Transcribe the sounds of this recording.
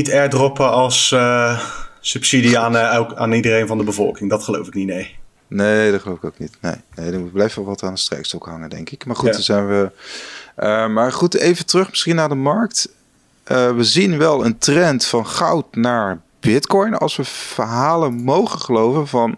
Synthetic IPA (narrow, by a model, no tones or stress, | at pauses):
nitɛɹdrɔpəɑlˠs | ʉpsidiaːnɛkaːnidərejnvɑndəbəvɔ̰lˠkɪŋdɑtχəlo̰wfɪknitnej | nedɑtχəlowɪko̰wk̚nitnḛjnejdəmuəblɛjfəəʋɑtaːndəstrɛ̰jkstɔkɦɑŋəndɛ̰ŋkɪkmaːɹχutdzɛjnʋə | ʔəmaːɹχutḛjvətrɵχmɪsχinːaːɹdəmɑɹkt | ʔəʋəzinʋɛlˠəntrɛntfɑnχɑwtnaːɹ | b̥ɪtkɔjnɑ̰lˠsʋəv̥əɹɦaːlənmowχəχəlowvənvɑn